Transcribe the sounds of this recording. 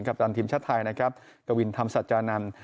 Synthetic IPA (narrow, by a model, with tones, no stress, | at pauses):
ŋka˨˩t̪aː˧nt̪ʰiː˧˩mt͡ɕʰa˦˥t̪ʰːaː˧jna˦˥kʰɾa˦˥p̚ka˧wi˧nt̪ʰa˧msa˨˩t̪̚t͡ɕaː˧na˧n